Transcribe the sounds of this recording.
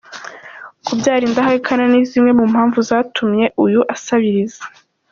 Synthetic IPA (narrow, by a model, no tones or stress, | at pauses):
kubɟaːɾiːndaɦajikʰananizimŋe̞mum̥haːɱvuzaːtʰumɲe̞ʔujuʔasaβiɾizḁ